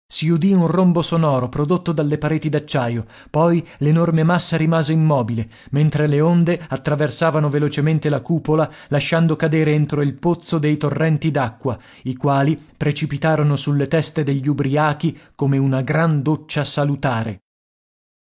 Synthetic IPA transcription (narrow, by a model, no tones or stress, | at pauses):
siud̪iunrombosonɔːɾopɾod̪ot̪ːod̪alːepaɾeːt̪id̪at͡ʃːaːjo | pɔjlenormemasːaɾimaːzeimːɔːbile | ment̪ɾeleond̪eat̪ːɾaversaːvanovelot͡ʃement̪elakuːpolalaʃːand̪okad̪eːɾeent̪ɾoilpot̪sːod̪ejt̪orːɛnt̪id̪akːwa | ikwaːlipɾet͡ʃipit̪aːɾonosulːet̪ɛst̪ed̪eʎːubɾiaːkikomeunaɡɾand̪ot͡ʃːasalut̪aːɾḛ